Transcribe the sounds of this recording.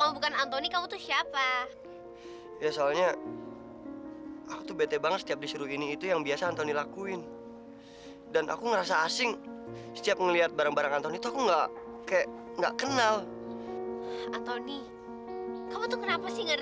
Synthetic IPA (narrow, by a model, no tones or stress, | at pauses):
kamubukanant̪onikamut̪usiapa | jasoalɲa | akut̪ubet̪ebaŋət̪sə̥t̪iap̚disuɾuiniːt̪ujaŋbiasaːnt̪ɔnilakuɪn | danʔa̰kuŋəɾasaːsɪŋsə̥t̪iap̚ŋəliat̪̚baɾaŋbaɾaŋant̪ɔnit̪uakuŋɡaʔkajaʔŋɡa̰ʔkənal | ant̪oni | kamut̪ukənapasɪhŋa